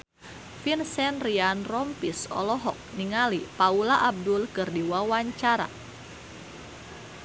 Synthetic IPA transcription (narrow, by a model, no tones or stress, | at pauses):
finsɛnrianrɔmpisɔ̰lɔɦɔk̚niŋalipaulaʔab̚dʊlkɨrdiwawaɲt͡ʃaɾa̰